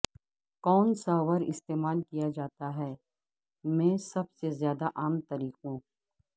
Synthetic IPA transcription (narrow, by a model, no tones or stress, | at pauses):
kɔːnsaʋəɾɪ̰st̪eːmaːlkijad͡ʒaːt̪aɦɛː | mɛ̃ːsɐbsezjaːd̪aʔaːmt̪ɐɾiːqɦũː